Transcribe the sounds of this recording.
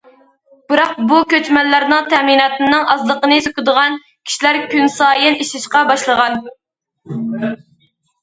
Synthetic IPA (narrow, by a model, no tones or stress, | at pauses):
b̥ɨɾɑq̚bukʲøt͡ʃmɛnlːæɾnɨŋt̪ʰɛminɑːt̪ɨnɨŋʔɑzlˠəqənɨsøkʲʊd̪əʁɑn | kʲʰi̥ʃilæɾkʲynsɑːjɪniʃɪʃqɑbɑʃlˠəʁɑn